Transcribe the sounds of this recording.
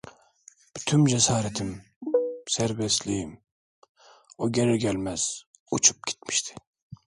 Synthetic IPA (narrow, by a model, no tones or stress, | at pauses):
b̥yt̪ʰymd͡ʒɛsɑːɾɛt̪ʰim | sæɾbɛst̪lijim | oɡʲenɪɾɡʲɛlmɛz̥ | ut͡ʃʰu̥p̚kʲʰe̥t̪mi̥ʃt̪ʰɪ̥